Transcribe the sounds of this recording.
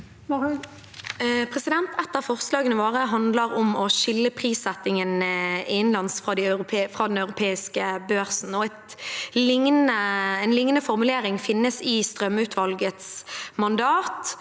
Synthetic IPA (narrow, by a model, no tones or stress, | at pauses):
pʰʁɛsɪd̪ɛnt̪ɛt̪ːəʁfɔʁslɑːɡənəʋoːʁəɦɑnd̪ləʁɔmɔʃɪlːəpʰʁiːsɛt̪ːɪŋənɪɪnlɑnsfʁɑːd̪æɑʉʁʊfʁɑːd̪ɛnɑʉʁʊpʰeːɪskəbøːʁsn̩ɔɛt̪lɪŋnəɛɪnlɪŋnəfɔʁmʉleːɾɪŋfɪnːəsɪst̪ʁœmʉːt̪ʰʋɑlɡət̪smɑnd̪ɑːt̪